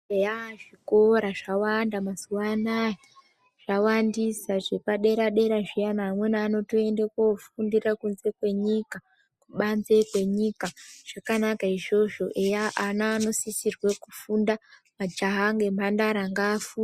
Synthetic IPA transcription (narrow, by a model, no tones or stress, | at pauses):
ejaʐiko̞ɾaʐawandamazuwanaji | ʐ̥awandisaʐe̞paɗe̞ɾaɗe̞ɾaʐijanaːmwenaano̞toe̞ndekofundirakunze̞kwe̞ɲika | kuɓanze̞kwe̞ɲikaʐ̥akanakaiʐo̞ʐo̞ʔejaʔanaːno̞sisirwe̞kufundamad͡ʒaɦaŋɡemandaɾaŋɡafu